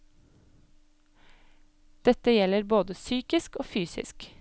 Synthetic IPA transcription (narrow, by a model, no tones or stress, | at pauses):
d̪̥ɛt̪əjɛləɾboːd̪əsyːkɪskoːfyːsɪ̰sk